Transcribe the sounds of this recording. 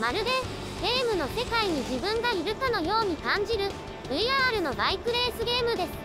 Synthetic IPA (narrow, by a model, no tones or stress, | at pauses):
maɾɯ̟ɡe | ɡe̞ːmɯ̟no̞se̞kaiɲ̟iʑibɯ̟̃ŋɡaiɾɯ̟kano̞jo̞ːɲ̟ikãɲ̟d͡ʑiɾɯ̟ | bɯ̟iaɾɯ̟no̞baikɯ̟ɾe̞ːsɨɡe̞ːmɯ̟d̪e̞sɨ̥